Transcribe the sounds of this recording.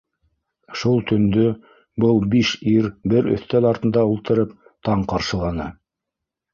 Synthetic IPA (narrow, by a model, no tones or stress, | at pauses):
ʃulˠt̪ʰɵ̆nd̪ɵ | bɤlˠbiʃiɾbɘɾɵ̰̆θt̪ælɑɾt̪ɤ̆nd̪ɑulˠt̪ɤ̆ɾɤp | t̪ɑɴqɑɾʃɤ̆lˠɑnɤ